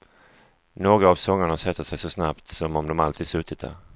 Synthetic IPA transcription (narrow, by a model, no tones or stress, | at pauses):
noːɡɾaːvsɔŋːaɳasɛt̪ːəʂɛjsɔsnapt̪sɔmɔmd̪ɔmalt̪ʰiːd̪sɵt̪ʰːɪt̪̚d̪æ̰ːɾ